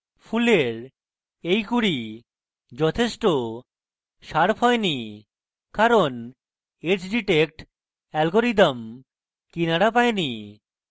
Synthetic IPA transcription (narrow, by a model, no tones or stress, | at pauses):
fʰuleɾ | ejkuɽi | d͡ʑɔt̪ʰeʃʈo | ʃaɾpʰɦɔeni | kaɾon | et͡ɕɖiʈek̚ʈ | ɛlɡoɾid̪əm | kinaɽapaeni